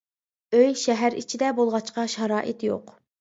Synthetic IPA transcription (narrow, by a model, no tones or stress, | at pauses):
øjʃɛɦæɾit͡ʃʰid̪ɛbolˠʁɑt͡ʃqɑʃɑɾɑːʔɪt̪jo̰q